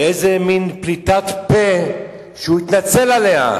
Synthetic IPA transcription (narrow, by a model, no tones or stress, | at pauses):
ezeminplit̪at̪pe | ʃeuit̪nat͡se̞lalea̰